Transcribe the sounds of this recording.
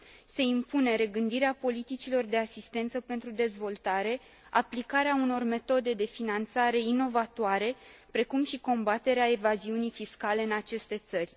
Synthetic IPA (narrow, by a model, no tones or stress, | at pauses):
se̞impune̞ɾe̞ɡɨnd̪iɾeapo̞lit̪it͡ʃilo̞rd̪e̞asist̪e̞nt̪səpe̞nt̪ɾud̪e̞zvo̞lt̪aɾe̞ | aplikaɾeauno̞rme̞t̪o̞d̪e̞d̪e̞finant̪saɾe̞ino̞vat̪oaɾe̞pɾe̞kumʃiko̞mbat̪e̞ɾeae̞vaziunijfiskale̞ɨnat͡ʃe̞st̪e̞t̪sərʲ